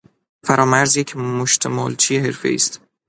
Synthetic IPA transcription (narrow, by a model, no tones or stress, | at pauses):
fæɾɒːmæɾzjecʰmoʃt̪ʰemɒːlt͡ʃʰijeɦeɾfḛḭːst̪